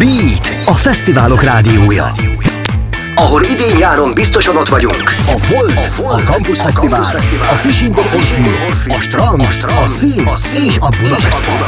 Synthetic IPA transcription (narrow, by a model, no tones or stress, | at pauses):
biːt̪ | ɒfɛst̪ivaːlo̞kraːd̪ijoːjɒ̰ | ɒɦo̞lid̪eːɲjaːɾo̞mbist̪oʃɒnot̪ʋɒɟuŋkɒvo̞lt̪olɒɒmusɒt̪ː | ɒfiʃiŋɡoorfirɒʃt̪ɒn | ɒsiːn | eːʃɒbud̪ɒpɛʃt̪